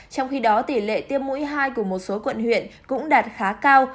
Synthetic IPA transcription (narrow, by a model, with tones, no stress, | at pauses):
t͡ɕɔ˧wŋ͡mxi˧ɗɔ˨˦t̪i˧˩lḛ˧˨t̪i˧əmːṵ˧˥jɦaː˧jku˧˩əmo˨˩t̚so˨˦kwə̰˧˨nhwḭ˧˨ənkʊ̰˧˥ŋ͡mɗaː˨˩t̚xaː˨˦kaː˧w